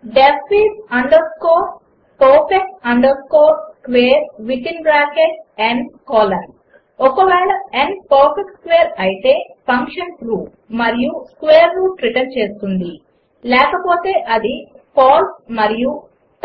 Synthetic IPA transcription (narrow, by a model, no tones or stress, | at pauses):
ɖepːiːʈɐɳɖɐɾskoː | poːpeksɐɳɖɐɾskoːɾskʋeːɐɾʋit̪inbɾaːkeʈɐɳɖkoːlɐn | ɔkɐʋɛːɭɐɛɳpoːpekskʋeːɾɐjit̪e̞ːpʰɐŋkʂɐnpɾuː | mɐɾijuskʋeːjɐɾːuːʈɾiʈɐnt͡ʃe̞ːst̪und̪i | lɛːkɐpoːt̪e̞ːʔɐd̪ipʰaːɾsmɐɾiju